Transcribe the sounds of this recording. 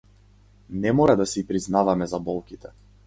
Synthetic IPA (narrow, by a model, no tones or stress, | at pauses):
nɛmɔɾad̪asɛipɾiznavamɛzabɔlˠkʲit̪ɛ